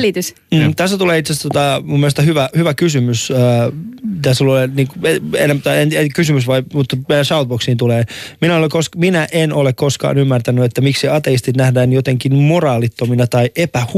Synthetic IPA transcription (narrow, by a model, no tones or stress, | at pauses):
lit̪ys | m̩ːt̪æst̪ːæt̪uleːit̪sest̪ot̪ɑmumːelest̪ɑhyʋæhyʋækysymysː | it̪æsulːoleniːŋkueḛnːemt̪ɑenekysymysʋɑimut̪ːmeæsɑut̪̚boksiːnt̪uleːminæolekkoskminæʔenolekkoskɑ̰ːnymːært̪ænyet̪ːæmiksiɑt̪eist̪it̪næhdæːnjot̪eŋkinmorɑːlit̪ːominɑt̪ɑiʔepæh